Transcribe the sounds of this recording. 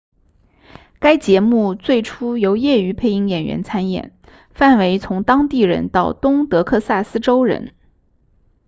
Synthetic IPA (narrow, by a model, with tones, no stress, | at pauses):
ka˥ɪt͡ɕjɛ˧˥mu˥˧t͡swe˥˩ɪʈ͡ʂʰu˥jo˧˥ʊjɛ˥˩y˧˥pʰe˥˧ɪi˥˩ŋjɛ˨˩nɥɛ̰˧˥nt͡sʰa˥njɛ̰˨˩˦n | fa˥˩nwe˧˥ɪt͡sʰʊ˧˥ŋt̪ɑ˥ŋt̪i˥˩ɻə̰˧˥nt̪ɑ˥˩ʊt̪ʊ˥ŋt̪ɤ˧˥kʰɤ˥˧sa˥˩sɹ̩˥ʈ͡ʂo˥ʊɻə̰˧˥n